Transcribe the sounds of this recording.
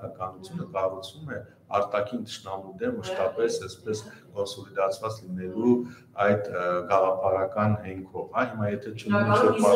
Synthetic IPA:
ɑkɑnut͡sʰjunəkɑrut͡sʰvumɛ | ɑ̰ɾt̪ɑkʰint̪ə̥ʃnɑmud̪ɛnmːəʃt̪ɑpɛsɛspɛskɔnsɔlid̪ɑt͡sʰvɑt͡slinɛlu | ɑjd̪ɡɑʁɑpʰɑɾɑkɑnhɛŋkʰɔvhɑɦimɑjɛt̪ʰɛt͡ʃʰəmiit͡ʃɔɾpɑ

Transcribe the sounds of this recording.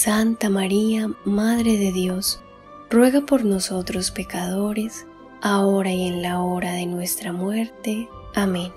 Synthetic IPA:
sant̪amaɾiamaðɾe̞ðe̞ðjo̞s | rwe̞ɣapo̞ɾno̞so̞t̪ɾo̞spe̞kaðo̞ɾe̞s | ao̞ɾaie̞nlao̞ɾaðe̞nwe̞st̪ɾamwe̞ɾt̪e̞ | amẽn

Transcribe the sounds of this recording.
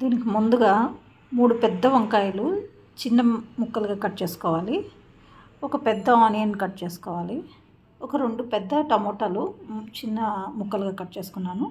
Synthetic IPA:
d̪iːnikimund̪uɡaː | muːɽupɛd̪ːɐʋɐŋkaːjɐlu | t͡ʃinːɐmukːɐluɡaːkɐʈːt͡ʃe̞ːsu̥kɔːʋaːli | ɔkɐpɛd̪ːɐaːnijɐnːikɐʈːt͡ʃe̞ːsu̥kɔːʋaːli | ɔkɐɾe̞ɳɖupɛd̪ːɐʈɐmoːʈɐlut͡ʃinːɐmukːɐluɡaːkɐʈːt͡ʃe̞ːsu̥kunːaːnu

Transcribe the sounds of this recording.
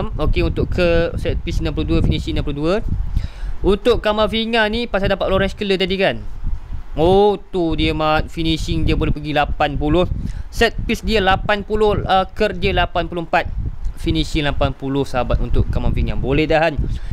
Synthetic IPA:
mokeunt̪ʊʔkʰəsɛt̪̚pisnãmpəloduəfinisiŋnampəluduə | unt̪ʊʔkamafiŋanipasadapat̪̚loɾanskələt̪adikan | ot̪udiəmat̪̚finiʃiŋdiəbolɛhpəɡilapanpulʊhsɛt̪̚pisdiəlapanpulʊhəkərdiəlapanpulʊhmpat̪̚finisiŋlapanpulʊhsəɦabat̪unt̪ʊʔkamafiŋa̰bolɛhdaɦan

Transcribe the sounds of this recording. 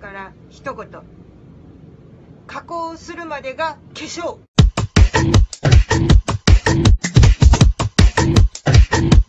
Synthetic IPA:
kaɾaçi̥t̪o̞kot̪o | kakoːsɨɾɯ̟mad̪e̞ɡake̞ɕoː

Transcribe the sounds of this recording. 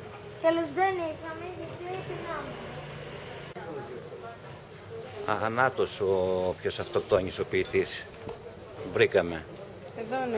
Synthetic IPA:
t̪elozðeniɣɐmeesetinɐme | ɐnɐt̪osopço̞sɐft̪okt̪oɐɲiso̞piːt̪is | vɾikɐme̞ | eðon

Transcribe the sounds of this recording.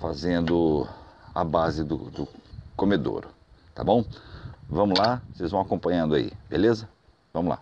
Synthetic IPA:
fazẽnd̪ʊ | abazɪd̪ʊ̰d̪ʊkomed̪o̰ɾʊ | t̪a̰bõw̃vɐ̃mʊlaosejzvɐ̃w̃akõpɐ̃ɲɐ̃d̪ʊaḭbelezɐ | vɐ̃mʊla̰

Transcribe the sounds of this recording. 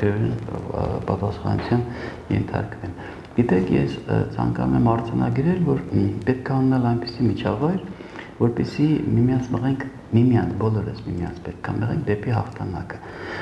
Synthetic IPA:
ɛɾɛnpɑt̪ɑsχɑ̰nṵt͡sʰjɑn | jɛ̰nt̪ʰɑ̰ɾkvɛn | ɡ̥it̪ɛkʰjɛ̰st͡sʰɑ̰ŋkɑnumɛmɑɾd͡zɑnʔɑ̰ɡɾɛlvɔɾpɛt̪̚kʰɑːnɛnɑlɑjnpi̥simit͡ʃʰɑvɑjɾ | vɔɾpɛsimimijɑnt͡sʰnəʁɛŋkʰ | mimjɑnʰbɔlɔɾə̰smimijɑ̰nt͡sʰpɛt̪̚kʰɑnəʁɛŋk̚d̪ɛpiɦɑχt̪ʰɑnɑkə̥

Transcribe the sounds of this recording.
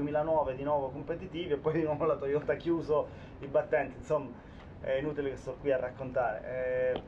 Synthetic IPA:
miːlanwɔːved̪inwɔːvokompet̪it̪iːviepːɔjd̪inwɔːvolat̪ojot̪akjuːzo | ibat̪ːɛnt̪insomːa | ɛinuːt̪ilekest̪ɔkːwiarːʔakːont̪aːɾḛɛ

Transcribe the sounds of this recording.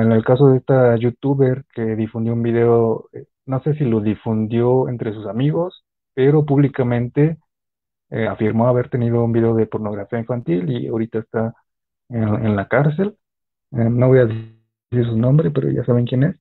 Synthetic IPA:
ene̞lkaso̞ðeest̪aʝut̪uβeɾke̞ðifund̪jo̞umbið̞e̞oe | no̞se̞s̬ilo̞ðifund̪jo̞ḛnt̪ɾe̞s̬usamiɣo̞s | pe̞ɾo̞p̬uβlikamẽ̞nt̪e̞ | eafiɾmo̞aβe̞ɾt̪e̞niðo̞umbiðe̞oðe̞po̞ɾno̞ɣɾafiaĩnfant̪ilḭa̰ɾit̪aest̪a | eḛnlakaɾs̬e̞l | enoβo̞jaðe | siɾsunõ̞mbɾe̞spe̞ɾo̰ʝa̰saβe̞ŋkje̞ne̞s

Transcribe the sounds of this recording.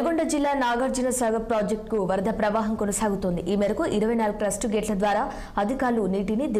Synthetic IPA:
ɡoɳɖɐd͡ʒilːaːnaːɡɐɾd͡ʒinɐsɐːɡɐpɾaːd͡ʒek̚ʈkuʋɐɾɐd̪ʱɐpɾɐʋaːɦɐmkonɐsaːɡut̪ond̪iʔiːmɛːɾɐkuʔiɾɐʋɐjnaːluɡukɾɐsʈuɡeːʈlɐd̪ʋaːɾaː | ɐd̪ʱikaːɾluniːʈinid̪i

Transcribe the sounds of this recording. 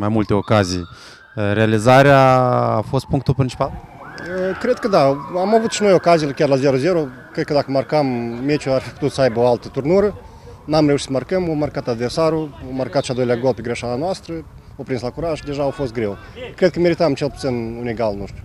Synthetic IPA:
majmult̪eokazḭj | ɾealizaɾeaːfost̪̚puŋk̚t̪ulpɾʲint͡ʃi̥pal | əkɾed̪̚kəd̪aamavut̪ʃinojokazʲijlakʲarlazʲeɾozeɾo | kɾed̪̚kəd̪akəmarkamːet͡ʃuaɾfʲikput̪ut̪səajbəoalˠt̪ət̪urnuɾə | namɾʲeuʃi̥tsəmarkəmomarkat̪ad̪versaɾuomarkat̪ʃiad̪ojlʲaɡolˠpʲeɡɾeʃaɾanoast̪ɾə | opɾinslakuɾaʒd̪ʲeʒaːwfost̪ɡɾʲew | kɾed̪̚kəmʲeɾit̪amt͡ʃelˠput̪sinunʲiɡalˠnuʂt̪ʲu̥

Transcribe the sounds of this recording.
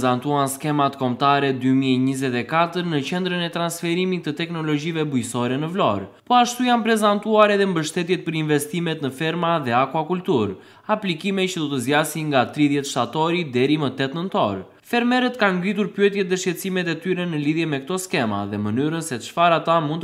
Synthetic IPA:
zant̪uanskɛmat̪kɔmt̪aɾɛd̪ymiɛɲizɛt̪ɛkat̪əɾnət͡ɕɛnd̪ɾənɛt̪ɾansfɛɾimit̪ːət̪ɛknɔlɔd͡ʑivɛbujsɔɾɛnəvlɔ̰ɾpɔaʃt̪ujanpɾɛzant̪uaɾɛðɛmbəʃt̪ɛt̪̬jɛt̪̚pəɾinvɛst̪imɛt̪nəfɛɾmaðɛakwakult̪uɾ | aplikimɛt͡ʃəd̪ɔt̪əzjasiŋɡat̪ɾiðjɛt̪ʃt̪at̪ɔɾid̪ɛɾimət̪ɛt̪nənt̪ɔ̰ɾ | fɛɾmɛɾət̪kanɡɾit̪̬uɾpyɛt̪jɛt̪̚ðɛʃɛt̪simɛt̪ɛt̪yɾɛnəliðjɛmɛkt̪ɔskɛma̰ðɛmənyɾənsɛt̪əʃfaɾat̪amunt̪

